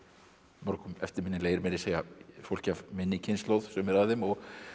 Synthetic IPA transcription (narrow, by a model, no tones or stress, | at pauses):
mɔɾkʏmɛft̪ɪɾmɪnːɪleːjɾmɛɾɪseːjafowl̥cavmɪnːɪcʰɪnslowð̥sɛmɪɾaðɪmɔɣ